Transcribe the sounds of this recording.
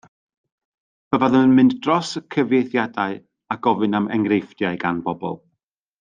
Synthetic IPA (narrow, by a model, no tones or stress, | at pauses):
b̥əvaðəənmɨnddrɔsəkʰəvjejθjadaɨ | aɡ̥ɔvɨnamɛ̰ŋrejfd̥jaɨɡanbɔbɔ̰lˠ